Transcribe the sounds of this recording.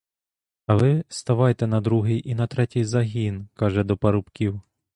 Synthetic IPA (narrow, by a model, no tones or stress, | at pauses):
ɐʋɪst̪ɐʋɑjt̪ɛnɐd̪ɾuɦɪjʔinɐt̪ɾɛtʲijzɐɦʲinkɑʒɛd̪ɔpɐɾʊpkʲiw